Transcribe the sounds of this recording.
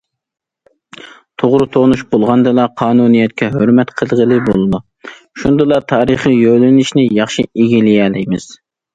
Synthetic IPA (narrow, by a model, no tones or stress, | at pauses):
t̪ʰoʁɾut̪ʰonuʃbolˠʁɑnd̪ɨlˠɑqʰɑːnunijɛt̪̚kʲɛɦøɾmɛt̪qʰəlˠʁəlˠɨbolˠɨd̪u | ʃund̪ɨlˠɑt̪ʰɑːɾəχijølɪnɪʃnɪjɑχʃieɡʲilijɛːlɪjmɪz̥